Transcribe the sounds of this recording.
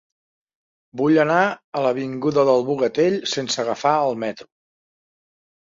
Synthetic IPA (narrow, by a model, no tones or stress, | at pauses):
buʎənaələβiŋɡuðəðəlˠβuɣət̪eʎsensəɣəfaəlˠmɛt̪ɾu